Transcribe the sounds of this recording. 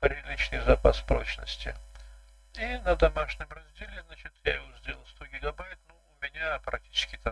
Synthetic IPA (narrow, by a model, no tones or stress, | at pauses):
pɾʲɪlʲit͡ɕnɨjzɐpaspɾot͡ɕnə̰sʲtʲɪ̰ | inəd̪ɐmaʂnʲɪmrɐzʲdʲelʲɪznat͡ɕɪt̪jaɪvozʲdʲelʲˠəlˠst̪oɡʲɪɡɐbajɪt̪noʊmʲɪnʲapɾɐk̚tʲi̥t͡ɕɪ̥skʲɪt̪a